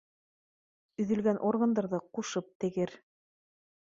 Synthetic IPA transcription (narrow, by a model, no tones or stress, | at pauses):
ɵ̆ðɵ̆lɡænʔoɾɡɤ̆nd̪ɑɾðɤquʃɤp̚t̪ɘ̆ɡɘɾ